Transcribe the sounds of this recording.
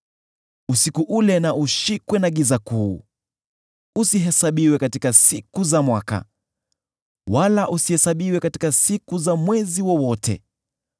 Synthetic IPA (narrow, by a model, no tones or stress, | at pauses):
usikuʔulɛnauʃikwɛnaɠizakuː | usiɦɛsaɓiwɛkatikasikuzamwaka̰ | walaʔusihɛsaɓiwɛkati̥kasikuzamwɛziwɔwɔtʰɛ̰